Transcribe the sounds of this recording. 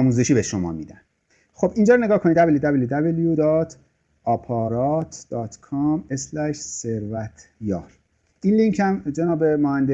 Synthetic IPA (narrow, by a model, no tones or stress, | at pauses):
muːze̞ʃiːbeʃomɒ̰ːmḭːd̪æn | xobiːnd͡ʒɒːɾneɡɒːhkʰo̞nid̪æbeljud̪æbeljud̪æbeljud̪ɒːt̪ʰ | ʔɒːpʰɒːɾɒːt̪ʰd̪̥ɒːt̪ʰkʰɒmeslæʃseɾvæt̪ʰjɒːɾ | ʔiːnliŋcʰhæmd͡ʒenɒːbe̞mohænd̪e